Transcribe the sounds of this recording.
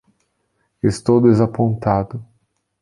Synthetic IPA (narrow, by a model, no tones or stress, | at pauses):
est̪owd̪ezapõnt̪ad̪ʊ